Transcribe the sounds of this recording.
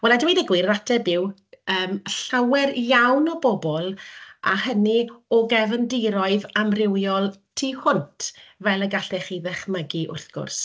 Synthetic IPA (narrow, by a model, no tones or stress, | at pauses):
wɛladwinəɡwiratʰɛbɪwəːmɬawɛrjawnɔbɔbɔlˠa̰həniɔɡɛvəndɪɾɔɨðamrɪwjɔlˠtʰihʊntʰvɛlˠəɡaɬɛχiðɛχməɡiʔʊ̰rθɡ̥ʊ̰rs